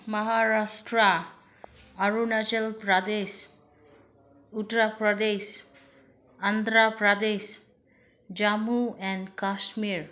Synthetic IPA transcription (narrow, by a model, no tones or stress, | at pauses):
maɦaɹasʈɾa | aɹunat͡ʃelpɾad̪es | utɾapɹad̪es | and̪ɾapɹad̪es | d͡ʒamuɛnkaʃmiɹ